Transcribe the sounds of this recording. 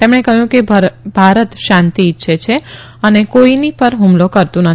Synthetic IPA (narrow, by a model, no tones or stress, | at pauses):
t̪emɽekəɦjũkebʱaɾət̪ʃãnt̪iːtːʃʰet͡ʃʰe | ənekoinipəɾɦũmlokəɾt̪ũnə